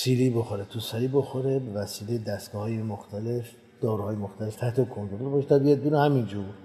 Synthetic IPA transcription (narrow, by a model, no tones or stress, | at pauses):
siːliːboxoɾet̪ʰusæɾiːboxoɾebevæsiːlejd̪æst̪ɡɒːhɒːjemoxt̪ʰæle̞f | d̪̥ɒːɾuhɒːjemoxt̪ʰæle̞ft̪ʰæht̪ʰekʰont̪ɾoɾolbɒːʃet̪ʰɒbijɒd̪̚bunehæmind͡ʒuɾ